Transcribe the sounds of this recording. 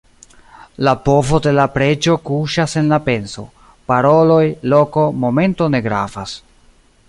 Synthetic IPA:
lapo̞vo̞de̞lapɾe̞d͡ʒo̞kuʃase̞nlape̞nso̞̰ | paɾo̞lo̞jlo̞ko̞mo̞me̞ntone̞ɡɾa̰fas

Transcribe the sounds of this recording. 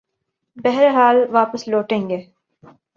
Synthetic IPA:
bɛɦɾeɦaːlʋaːpəsloːʈẽːŋɡeː

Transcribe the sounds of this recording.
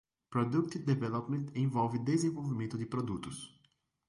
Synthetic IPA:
pɾɔd̪ukt̪d̪evɛlɔpmẽnt̪ʰẽvɔwvɪd̪ezẽvowvimẽnt̪ʊd̪ɪpɾod̪ut̪ʊs

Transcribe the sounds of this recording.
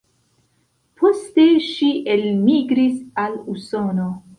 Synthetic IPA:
pʰo̞ste̞ʃiʔelmiɡɾisaluso̞no

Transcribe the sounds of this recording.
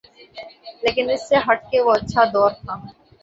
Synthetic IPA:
leːkɪnɪsːeɦɐʈ̚keʋoɐtːʃʰad̪ɔːɾt̪ʰaː

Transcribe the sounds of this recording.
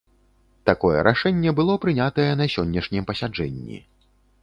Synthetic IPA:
t̪akɔjɛ̰ɾaʂɛnʲːɛbɨlˠɔpɾɨnʲat̪ɐjɛnɐsʲɔnʲːɐʂnʲɛmpɐsʲad͡ʐɛnʲːḭ

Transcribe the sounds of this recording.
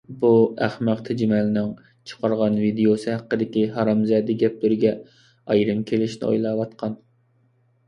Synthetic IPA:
buæχmæqt̪ʰɛd͡ʒimɛlɪnɪŋ | t͡ʃʰə̥qʰɑɾʁɑnvid̪eosɨɦæqːəd̪ɪkʲiɦɑɾɑmzɛːd̪ɛɡʲɛp̚lyɾɪɡʲɛ | ɑjɾɨmkʲʰelɪʃnɪ̰o̰jlˠɑːwɑt̪qʰɑn

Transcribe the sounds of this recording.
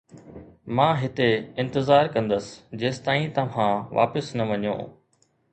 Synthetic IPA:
mãːɦɪt̪eɪ̃nt̪ɪzaːɾkɐ̃nd̪əsɪ̥d͡ʑeːst̪aːĩt̪ɐʋ̤ãʋa̰ːpɪsnɐʋɐɲõ̰ː

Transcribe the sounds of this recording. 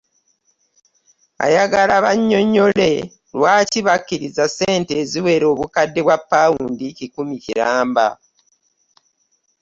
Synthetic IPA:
a̰jaɡalaβaɲːo̞ɲːo̞le̞ | lwaːciβakːiɾizaseːnte̞ːziwe̞ɾo̞ːβukadːeβwapːawuːndicikumiciɾaːmba

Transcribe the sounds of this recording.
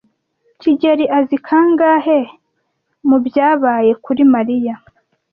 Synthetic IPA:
ciɟeɾiʔazikʰaŋɡaːɦe | mubjaːβaːje̞kuɾimaɾija

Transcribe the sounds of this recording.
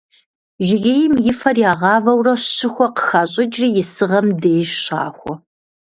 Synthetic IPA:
ʒɪɣeːjɪmjɪfɐrjaːʁɑːvɐwrɐɕɨxʷɔqə̥xaːɕʼɪd͡ʒriːjɪsɨʁɐmdeːjʃɕɑ̰ːxʷɔ

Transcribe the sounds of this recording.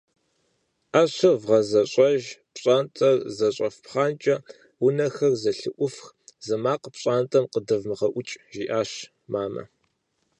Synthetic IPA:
ʔaːɕɐvʁɐzɐɕʼɐʒpɕʼaːntʼɐrzɐɕʼɐfpχaːnt͡ʃʼɐ | wʊnɐxɐrzɐɬɨʔʷʊfx | zɐmaːqpɕʼaːntʼɐmqədɐvmɨʁɐʔʷʊt͡ʃʼʒiːʔaːɕ | maːmɐ̰

